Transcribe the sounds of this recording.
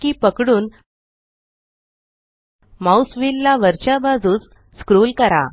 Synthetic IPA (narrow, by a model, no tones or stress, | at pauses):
kiːpəkɽuːn | mausʋilːaʋəɾt͡ɕabad͡zuːt͡s | skɾuːlkəɾa̰